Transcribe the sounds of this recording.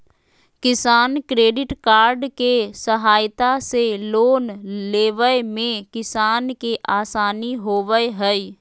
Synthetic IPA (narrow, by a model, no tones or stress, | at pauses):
kɪsaːnkɾeːɖɪʈkaːɾɖkesəɦaːjt̪aseloːnleːʋəjmẽkɪsaːnkeʔaːsaːniɦoːʋəɦɛi